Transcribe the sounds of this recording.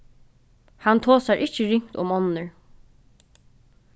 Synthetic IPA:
hant̪ʰoːsaɹʔɪt͡ʃəɹɪŋ̥t̪ʊ̰mɔnːəɹ

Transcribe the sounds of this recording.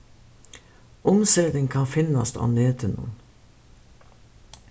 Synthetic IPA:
ʊmseːd̪əŋkʰɑnfɪnɑst̪ɑ̰ːneːt̪ʰənṵːn

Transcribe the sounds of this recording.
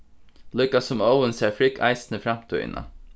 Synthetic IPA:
lʊkasʊmɔwənsɛːɹfɾɪka̰ɪsnəfɾam̥t̪ʰʏ̰ɪ̰na̰

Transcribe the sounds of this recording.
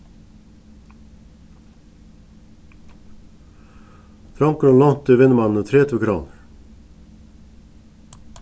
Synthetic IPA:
t̪ʰɾɔŋkɔnlɔŋt̪ɪʋɪnːəmɑnn̩ət̪ʰɾeːt̪ʰuːkʰɾoːnəɾ

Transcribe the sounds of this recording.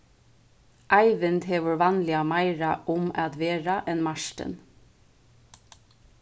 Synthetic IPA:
ʔɑɪʋɪnd̪heːʋʊɹʋɑːnlɪɑmɑɪɹɑʔʊmɑd̪ʋeːɹɑʔɛnmɑʃʈə̰n

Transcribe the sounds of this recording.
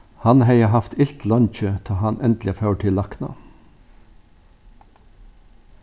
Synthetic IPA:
hɑnheɪəhɑft̪ʰɪlt̪ʰlɔnc͡çøːt̪ʰɑːhɑnʔɛnd̪l̩ɪfɑʉʈʰɪlɑknɑ̰

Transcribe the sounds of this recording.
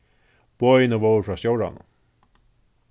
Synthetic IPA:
b̥oːjɪnəvoːwɾfɾaːsjowɾa̰nʊ̰

